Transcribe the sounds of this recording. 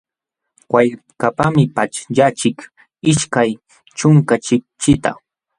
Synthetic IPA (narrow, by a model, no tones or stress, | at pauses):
waj | kapamɪpat͡ʃʎat͡ʃɪk | ɪʃkaj | t͡ʃʊŋkat͡ʃɪk̚t͡ʃɪt̪a̰